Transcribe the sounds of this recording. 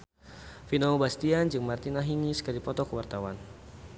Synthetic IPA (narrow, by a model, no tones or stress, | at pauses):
finaubast̪iand͡ʒɨŋmart̪inaɦinisə̥kalipɔt̪ɔkəwart̪awan